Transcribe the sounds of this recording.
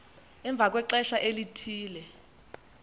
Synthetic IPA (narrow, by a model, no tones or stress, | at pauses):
ɛɱb̪vʱak̬wɛǃɛʃaʔelitʰiːlɛ